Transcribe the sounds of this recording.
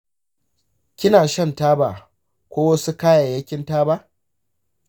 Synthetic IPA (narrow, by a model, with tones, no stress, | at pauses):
kʲɪ˦naː˨ʃɐ˦ntaː˦baː˨ | kʷoː˦wɐ˦su˦kaː˦ja˨jɐ˦kʲɪ˦ntaː˦ba˦ʔ